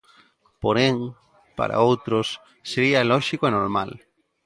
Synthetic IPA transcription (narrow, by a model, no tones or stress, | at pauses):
poɾeŋ | pa̰ɾa̰owt̪ɾosː | eɾialɔʃikoenoɾmal